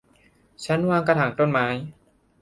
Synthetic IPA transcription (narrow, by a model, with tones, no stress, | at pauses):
t͡ɕʰa˦˥nwaː˧ŋka˧t̪ʰaː˩ŋt̪o˥˩nmaː˦˥j